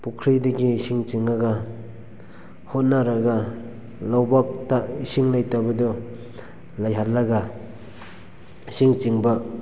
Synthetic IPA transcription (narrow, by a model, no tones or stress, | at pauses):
pukʰɾidaɡisiŋt͡ʃiŋaɡa | hot̚naɾaɡa | lawbak̚taisiŋlajtabɐdɔ | lajɦallaɡa | siŋt͡ʃiŋba